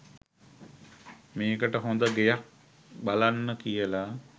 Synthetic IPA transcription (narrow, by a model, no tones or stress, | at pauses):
meːkəʈəɦõnd̪əɡejak̚ | balanːəkijəla